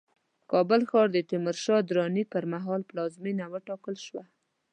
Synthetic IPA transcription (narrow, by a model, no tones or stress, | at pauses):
kɑbəlxɑɾd̪ət̪ɪməɾʃɑd̪ɾɑnipəɾmaɦɑlplɑzminawəʈɑkəlʃwa